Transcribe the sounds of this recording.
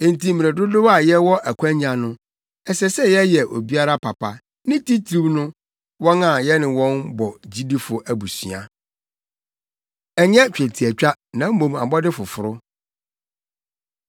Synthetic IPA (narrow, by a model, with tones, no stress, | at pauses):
ẽ˨n˨ti˦mĩ˨ɾɛ˨dʊ˦dʊ˦ba˨jɛ˦wɔ˦ʔæ˨kʷʰã˦ɲɲã˨nʊ̃˦ | ɛ˨sɛ˦sɛ˦jɛ˦jɛ˨ʔo̰˨bi˦a˦ɾa˦pʰa˨pʰa˨ | nɪ̃˦ti˦tʰɾu˦bnʊ̃˦ | wɔ̃˦nã˨jɛ˦nɪ̃˨wɔ̃˦nbɔ˨d͡ʑi˦di˦fʊ˨ʔæ˨bu˨sɥa̰˨ | ɛ˨ɲɛ̃˦t͡ɕᶣɛ˨tʰi˨æ˨t͡ɕᶣa˦nã˨m̩˦mõ˨ma̰˨mbɔ˦dɪ˦fʊ˨fʊ˨ɾʊ˦